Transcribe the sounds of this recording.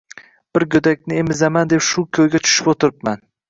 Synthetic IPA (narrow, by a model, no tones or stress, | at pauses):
b̥ɪɾɡʲɵd̪akʲnɪemɪzamand̪epʃʊkʲʰɵjɡʲat͡ʃʰʊ̥ʃɪ̥pot̪ʰɪɾɪp̚man